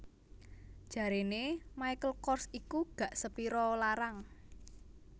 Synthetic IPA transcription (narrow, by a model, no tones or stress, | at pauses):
d̥ʒ̥ä̤ɾenemajkəlkɔrsikuɡ̥ä̤ʔsəpiɾɔlaɾaŋ